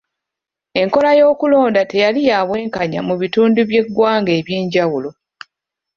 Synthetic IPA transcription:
e̞ŋko̞lajo̞ːkulo̞ːndate̞jalijaːβwe̞ːŋkaɲamuβituːnduβje̞ɡːwaːŋɡe̞ːβje̞ːɲɟawulo̞

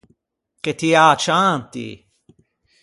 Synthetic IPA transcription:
ket̪ʰiaːt͡ʃaːnt̪ḭ

